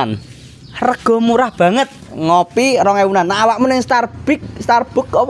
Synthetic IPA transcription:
n | rəɡ̥ɔ̤muɾahb̥ä̤ŋət̪̚ŋopirɔŋewunanːaːwaʔmənɛŋst̪arb̥ɪk̚st̪arb̥ʊ̤kɔ

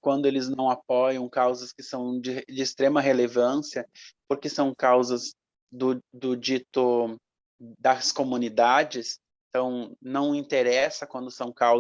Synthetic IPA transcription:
kwɐ̃nd̪ʊelɪznɐ̃w̃apɔjɐ̃w̃kawzɐskɪsɐ̃w̃d͡ʒɪd͡ʒɪːst̪ɾẽmɐɦelevɐ̃siɐpoɾkesɐ̃w̃kawzɐz | d̪ʊd̪ʊd͡ʒit̪ʊ | d̪ɐskomũnid̪ad͡ʒɪsẽt̪ɐ̃w̃nɐ̃w̃ĩnt̪eɾɛsɐkwɐ̃nd̪ʊsɐ̃w̃kaw

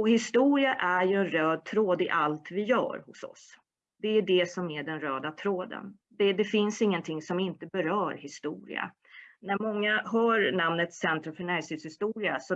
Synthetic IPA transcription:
ɔhɪst̪uːɾɪaʔæɾjɵɛnɾøːd̪̚t̪ʰɾoːd̪ɪʔalt̪vɪjœ̰ːɾhʊ̰sɔ̰s | d̪ɛæɖɛsɔmæɖɛnɾøːd̪at̪ʰɾoːd̪ə̰n | d̪ɛd̪ɛfɪnsɪŋːənt̪ʰɪŋsɔmɪnt̪əbɛɾœːɾhɪst̪ṵːɾɪ̰a̰ | næɾmɔŋːaɦœːɾnamnət̪sɛnt̪ɾɔfœɳæɾsɪŋshɪst̪uːɾɪasɔ

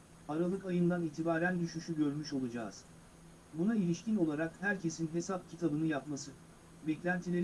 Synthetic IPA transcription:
aɾalˠɯkajɯnd̪aniːt̪ʰibaːɾænd̪yʃyʃyɟø̞ɾmyʃo̞lˠud͡ʒa̰ːz̥ | bunailʲiʃcino̞lˠaɾakhæɾcʰe̞sinɦe̞sap̚cʰit̪ʰabɯnɯjapmasɯ | bɛclʲænt̪ʰilʲe̞ɾ

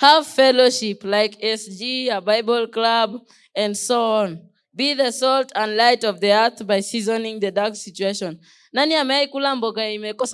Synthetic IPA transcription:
havfɛloʃiplaɪkɛsd͡ʒiabaɪbɔlˠklab | ãnsoɔ̃n | biðəsɔltʰãnlaɪtɔvðiɛ˞θbaɪsizɔ̃nĩŋðədaksit͡ʃueʃɔ̃nː | ãniamɛjkulãmbɔkaimekɔs

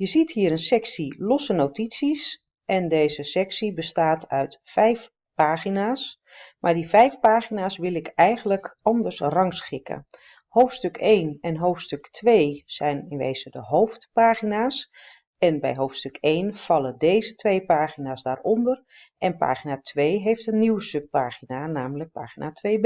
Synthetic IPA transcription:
jəzithɦiːəɾənsɛksilɔsənowtitsis | ʔɛndeːjzəsɛksibəstaːtʰœɥtfɛjf | paːχinaːs | maːɹdivɛjfpaːχinaːsʋɪlˠɪkɛjɣənləkɑndərsrɑŋsχɪkə̰ | howftstøkʰejnɛnɦoːftstøktʰʋeːsɛjnɪnʋḛːz̥ədəɦoːftpaːχinaːs | ɛnbɛ̰jɦoːftstøkejnfɑlˠədeːzətʰʋejpaːχinaːsdaːrɔndər | ʔɛnpa̰ːχinatʰʋeːɦeːftənːiwəsøp̚paːχinanaːmələk̚pa̰ːxinʔatʰʋeːb

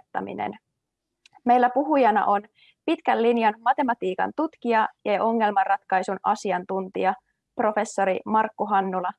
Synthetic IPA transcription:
t̪ːɑ̰mḭnḛn | me̞jlːæpuɦujɑnɑ̰ʔo̞n | pit̪kælːinjɑnmɑt̪e̞mɑt̪iːkɑ̰nt̪ut̪kiɑjɑjɑʔo̞ŋːe̞lmɑrːɑt̪kɑjsunɑ̰siɑnt̪unt̪iɑ | pro̞fe̞sːo̞ɾimɑrkːuɦɑnːulɑ

